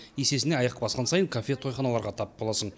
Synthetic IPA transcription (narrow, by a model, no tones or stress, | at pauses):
jese̞sɪneɑjɑqbɑsqɑnsɑjəɴkʰafʲe̞t̪ʰo̞jχɑnɑlˠɑɾʁɑt̪ʰɑp̚b̥olˠɑsəɴ